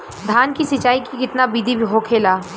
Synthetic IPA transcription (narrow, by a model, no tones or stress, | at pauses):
d̪ʱaːnkisɪt͡ʃaːikikɪt̪nabiːd̪ʱibʱiɦoːkʰeːlaː